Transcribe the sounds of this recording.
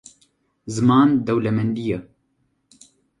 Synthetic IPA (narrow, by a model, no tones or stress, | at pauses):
zɨmɑːnd̪ɛwlɛmɛnd̪ijɛ